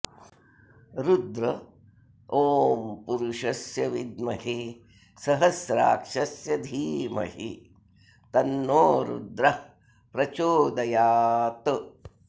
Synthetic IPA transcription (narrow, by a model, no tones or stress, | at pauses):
ɾud̪ɾɐ | oːmpuɾuʂɐsjɐʋid̪mɐhi | sɐɦɐsɾa̰ːkʂɐsjɐd̪ʱiːmɐ̰ɦḭ | t̪ɐnːoːɾṵd̪ɾɐ | pɾɐt͡ʃoːd̪ɐjaːt̪ɐ